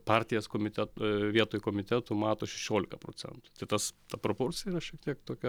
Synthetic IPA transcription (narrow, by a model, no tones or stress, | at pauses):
pɑːɾʲt̪ʲɪjɛskoːmʲɪt̪ʲɛt̪ʋʲiɛt̪oːjʊkoːmʲɪt̪ʲɛt̪ʊmɑːt̪oːʃʲɛʃʲoːlʲɪkɐpɾo̰ːt͡s̪ʲɛ̰nt̪ʊ̥t̪ʲɐɪt̪ɐst̪ɐpɾoːpoːɾʲt͡s̪ʲɪjɛiɾɐʃʲiɛk̚t̪ʲiɛkt̪oːkʲɛ